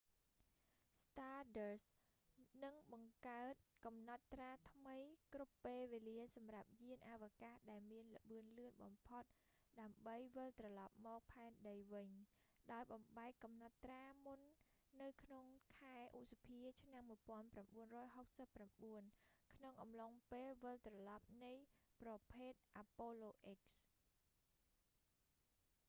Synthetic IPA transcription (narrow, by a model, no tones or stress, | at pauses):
st̪aːɗəs | nɨŋɓɑŋkaət̪̚kɑmnɑt̪̚ːraːt̪ʰməjkrupːeːlʋeːliəsɑmrap̚jiənʔaːʋakahɗaɛlmiənlə̆ɓɨənlɨənɓɑmpʰot̪̚ | ɗaəmɓəjʋəlt̪rɑlɑp̚mɔːk̚pʰaɛnɗəjʋɨɲɗaɔjɓɑmɓaɛkːɑmnat̪ːraːmunː | ɨwkʰnoŋkʰaɛʔuʔ̚sapʰiət͡ɕʰnamːuəjpŏənpramɓuənrɔːjɦok̚səpːramɓuənkʰnoŋʔɑmloŋpeːlʋɨlt̪rɑlɑp̚nɨjprɑpʰeːt̪̚ʔapoːloːʔek̚s